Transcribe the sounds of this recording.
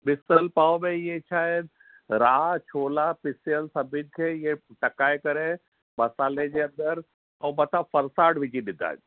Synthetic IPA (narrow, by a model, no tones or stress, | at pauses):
bɪsəlpaːʋomẽiet͡ɕʰaːed̪ | ɾaːt͡ʃʰoːlapɪsjənsɐbʱɪd̪̚kʰeijeʈɐkaːekɐɾe | mɐsaːled͡ʑeɐ̃nd̪əɾ | ɐwmɐt̪ʰafɐɾsaːɽʋɪd͡ʑiɗɪd̪ʱa̰ː